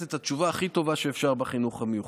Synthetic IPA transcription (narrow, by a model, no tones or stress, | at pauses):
et̪at͡ʃuvaːχit̪o̞vaʃeːfʃaʁbaχinuχamejuχ